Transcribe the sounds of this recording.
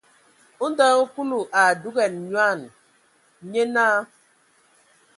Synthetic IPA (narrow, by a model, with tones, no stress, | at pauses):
u˦n˦dɔ˦ŋ̩˦ku˦lu˨ʔa˨du˦ɣɛ˨nɲ˦a˦˨n˨ | ɲe˦na˦